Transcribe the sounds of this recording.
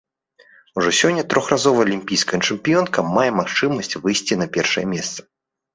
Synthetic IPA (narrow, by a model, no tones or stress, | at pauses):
uʐɔsʲɔnʲːɐt̪ɾɔxrazɔvɐɐlʲimʲpʲijskɐjɐt͡ʂɨmpʲijɔnkɐmajɛmaxt͡ʂɨmɐsʲt͡sʲvɨjsʲt͡sʲinɐpʲɛrʂɐ̰jɛmʲɛst̪sɐ̥